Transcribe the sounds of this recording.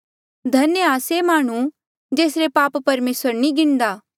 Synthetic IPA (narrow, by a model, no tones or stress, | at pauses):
d̪ʱɐnjaːsemaːɽ̃u | d͡ʒeːsɾepaːpːɐɾmeːsəɾnĩɡɪnd̪aː